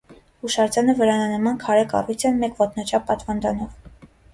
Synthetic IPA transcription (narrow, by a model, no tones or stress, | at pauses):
uʃɑɾt͡sɑnəvəɾɑnɑnəmɑnkʰɑɾɛkɑ̰rujt͡sʰɛnmɛkvɔt̪ʰnɑt͡ʃʰɑpːɑt̪vɑnd̪ɑnɔv